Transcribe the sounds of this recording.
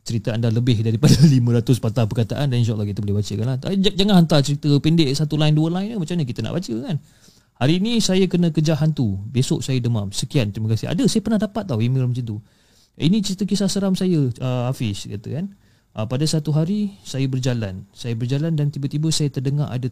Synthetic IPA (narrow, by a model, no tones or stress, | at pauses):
t͡ʃəɾit̪əandaləbɪhdaɾipadəlimə̃ɾat̪ʊspat̪ahpərkat̪aʔandanĩʃ̬aolahkit̪əbolɛhbat͡ʃəkanlaad͡ʒaŋanɦant̪art͡ʃəɾit̪əpindɪʔsat̪ulaɪnduəlaɪnəmat͡ʃamɲəkit̪əna̰ʔbat͡ʃəkan | haɾiːnĩsajəkənə̃kəd͡ʒaɦant̪ubesoʔsajədəma̰msəkiant̪ɾimakasia̰dəsajəpərnahdapat̪̚ːawimilmət͡ʃint̪u | inĩt͡ʃəɾit̪əkisasəɾamsajəəafɪska̰t̪ə̰kan | ʔəpadasat̪uɦaɾisajəbərd͡ʒala̰nsajəbərd͡ʒalandant̪ibət̪ibəsajət̪ərdəŋarʔa̰da